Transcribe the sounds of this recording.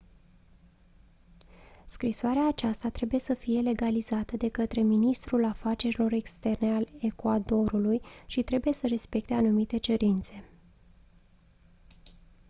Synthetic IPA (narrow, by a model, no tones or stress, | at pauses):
skɾisoaɾeaːt͡ʃast̪at̪ɾe̞buje̞səfije̞le̞ɡalizat̪əd̪e̞kət̪ɾe̞minist̪ɾulafat͡ʃe̞ɾilo̞ɾe̞kst̪e̞rne̞ale̞kwad̪o̞ɾulujʃit̪ɾe̞buje̞səɾe̞spe̞k̚t̪e̞anumit̪e̞t͡ʃe̞ɾint̪se̞